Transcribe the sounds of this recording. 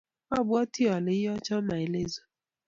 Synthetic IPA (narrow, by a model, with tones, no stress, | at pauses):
ɔ˦bʊ˦ɔ˦ti˦ɔ˨lɪ˨˦ɦɔ˦t͡ʃɔ˦ma˨e˨le˦zo̥˦